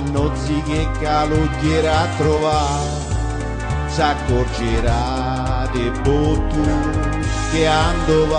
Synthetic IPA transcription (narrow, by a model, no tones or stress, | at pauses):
nːɔt̪sikekːaloɟːeɾat̪ːɾova | sakːord͡ʒeɾa | d̪ebːot̪ːu | keand̪ov